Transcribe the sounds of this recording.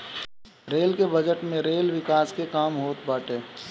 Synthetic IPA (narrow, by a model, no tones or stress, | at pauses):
ɾeːlkebɐd͡ʒəʈmẽɾeːlʋɪkaːskekaːmɦoːt̪baːʈeː